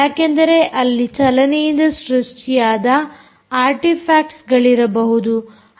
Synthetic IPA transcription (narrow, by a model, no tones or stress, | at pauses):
aːkend̪ɐɾe̞ʔɐlːit͡ʃɐlɐnɛjind̪ɐʃɾuʂʈʰijaːd̪ɐ | aːɾʈipʰaːkʈsɡɐɭiɾɐbɐɦud̪u